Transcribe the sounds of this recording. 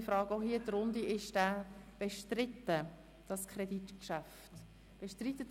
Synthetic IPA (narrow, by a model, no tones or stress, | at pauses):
fɾɑːɡohiːət̪rʊnd̪iɪʃd̥æb̥eʃtrɪtːə | d̥ɑskʰrɛdit̪kʃæft | b̥eʃtrit̪ːə